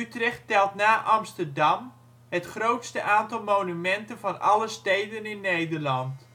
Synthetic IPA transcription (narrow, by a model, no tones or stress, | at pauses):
ytrɛχtɛlˠtnaːʔɑmstərdɑm | hətχrowtstəʔaːntɑlˠmownymɛntənvɑnɑləstejdənɪnːejdərlɑnt